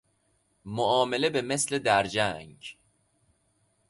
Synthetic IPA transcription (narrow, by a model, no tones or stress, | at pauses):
moʔɒːme̞le̞beme̞sle̞d̪æɾd͡ʒæŋɡ